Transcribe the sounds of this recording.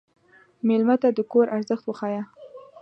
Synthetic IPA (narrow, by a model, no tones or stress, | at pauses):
melmat̪ad̪əkoɾʔaɾzəxt̪wəxɑja